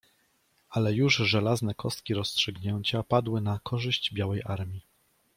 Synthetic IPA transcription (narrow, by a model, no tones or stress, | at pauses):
ʔalɛjuʐʐɛlaznɛkʰɔst̪̚kʲiɾɔstʂɘɡɲeɲt͡ɕapad̪wɘnakʰɔʐɘɕd͡ʑbʲjawɛjʔaɾmʲi